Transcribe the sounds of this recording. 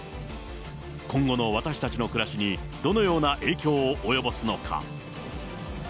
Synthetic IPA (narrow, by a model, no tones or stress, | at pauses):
kõ̞ŋɡo̞no̞β̞at̪aɕi̥t̪at͡ɕino̞kɯ̟ɾaɕiɲ̟i | d̪̥o̞no̞jo̞ːnaʔe̞ːkʲo̞ːʔojo̞bo̞sɨno̞kʰa̰